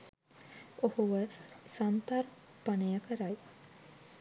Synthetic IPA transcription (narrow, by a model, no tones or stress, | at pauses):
ohuʋəsant̪ar | panəjakʰəɾaj